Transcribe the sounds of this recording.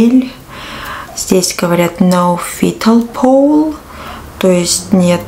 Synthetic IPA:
elʲ | z̥ʲdʲesʲɡəvɐɾʲat̪nawfʲit̪ʰəlˠpʰolˠ | t̪ojɪsʲtʲnʲet̪

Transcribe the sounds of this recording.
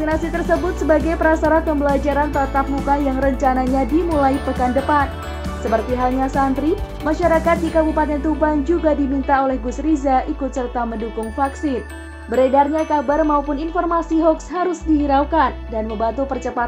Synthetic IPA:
t̪inasit̪ərsəbʊt̪̚səbaɡajpəɾasaɾat̪̚pəmbəlad͡ʒaɾant̪at̪ap̚mukajaŋrəɲt͡ʃanaɲadimulajpəkandəpan | səpərt̪iɦalɲasant̪ɾi | maʃaɾakat̪̚dikabupat̪ɛnt̪uband͡ʒuɡadimint̪aolɛhɡusɾizaʔikʊt̪̚sərt̪aməndukʊŋfaksɪn | bəɾedarɲakabarmaupʊninfɔrmasiɦɔksɦaɾʊsdiɦiɾawkandanməmbat̪upərt͡ʃəpa

